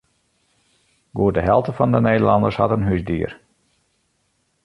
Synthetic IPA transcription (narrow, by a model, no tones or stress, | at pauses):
ɡoːrdəɦɛlˠtəfɔndənejdəlɑndərshɑ̰tənɦysdiər